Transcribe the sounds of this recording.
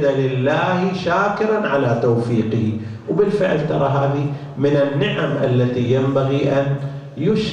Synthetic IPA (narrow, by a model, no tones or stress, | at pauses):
d̪alɪlːaːhʃaːkɪɾanʕalat̪awfiːqɪhi | wbɪlfɪʕlt̪ɑɾˤɑɦaːði | mɪnɪnːɪʕamʔa̰lːaðijambaɣiʔan | jʊʃ